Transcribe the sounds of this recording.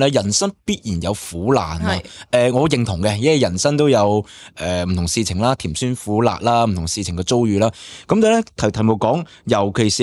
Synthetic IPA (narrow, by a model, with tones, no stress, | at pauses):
lɛː˥jɐ˨˩nsɐ˥npiː˥t̚jiː˨˩njɐ˨˧wfuː˨˥la̰ː˨naː˧ʔɛː˨˧ŋɔː˨˧jɪ˨˧ŋt̪ʰʊ˨˩ŋkɛ˧jɐ˥wɐ˨˩jɐ˨˩nsɐ˥ŋt̪o˥wjɐ˨˧wʔɛː˨m̩˨t̪ʰʊ˨˩ŋsiː˧t͡sʰɪ˨˩ŋlaː˥t̪ʰiː˨˩msyː˥nfuː˨˥la̰ː˧k̚laː˥m̩˨˩t̪ʰʊ˨˩ŋsiː˧t͡sʰɪ˨˩ŋkɛ˧t͡so˥wjyː˨˧laː˥kɐ˨˥mt̪aː˨˩lɛ˥t̪ʰɐ˨t̪ʰɐ˨˩jmo˨˩kɔː˨˥ŋ | jɐ˨˩wkʰe˨˩jsiː˨